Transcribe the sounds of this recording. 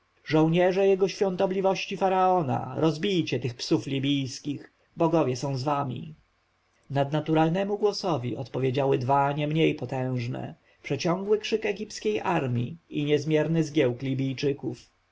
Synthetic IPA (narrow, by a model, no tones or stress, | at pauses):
ʐɔ̃w̃ɲɛʐɛjɛɡɔɕfʲjɔ̃nt̪ɔblʲivɔɕt͡ɕifaɾaɔna̰ɾɔzbʲijt͡ɕɛt̪ɘxpsuflʲibʲijskʲix | bɔɡɔvʲjɛsɔ̃w̃zvamʲḭ | nad̪nat̪uɾalnɛmuɡwɔsɔvʲḭʔɔ̰t̪pɔvʲjed͡ʑawɘd̪vaɲɛmɲejpɔt̪ɛ̃w̃ʐnɛ̰ | pʂɛt͡ɕɔ̃ŋɡwɘkʂɘkɛɡʲipskʲejʔaɾmʲḭiɲɛzmʲjɛɾnɘzɡʲjɛwklʲibʲijt͡ʂɘkuf